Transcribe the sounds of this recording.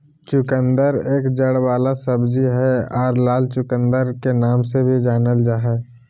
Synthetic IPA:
t͡ʃʊkə̃nd̪əɾeːkd͡ʒəɽʋaːlasəbd͡ʒiɦɛɔːɾlaːlt͡ʃʊkə̃nd̪əɾkenaːmsebʱid͡ʒaːnəld͡ʒaːɦɛː

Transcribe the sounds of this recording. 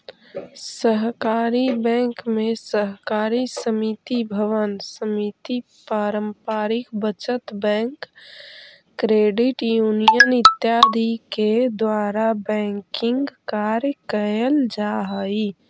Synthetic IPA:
səɦkaːɾibɛ̃ːŋkmẽsəɦkaːɾisəmit̪ibʱəʋənsəmit̪ipaːɾəmpaːɾɪkbət͡ʃət̪bɛ̃ːŋk | ɾeːɖɪʈjuːnijənɪt̪jaːd̪ʱiked̪waːɾabɛ̃ːŋkɪ̃ŋɡkaːɾjəkəjəld͡ʒaːɦəi

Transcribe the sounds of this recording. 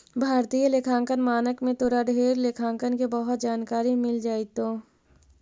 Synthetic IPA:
bʱaːɾt̪ijəlekʰãːŋkənmaːnəkmẽt̪ʊɾaɖʱeːɾlekʰãːŋkənkebəɦʊt̪̚d͡ʒaːnkaːɾimɪld͡ʒaːit̪õː

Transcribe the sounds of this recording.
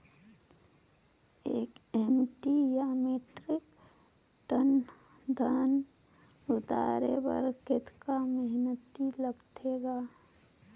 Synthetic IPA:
eːkemʈijameːʈɾɪk | ʈən | d̪ʱən | ʊd̪a̰ːɾebə̰ɾkɪt̪kamɦnət̪iləɡt̪ʰeɡaː

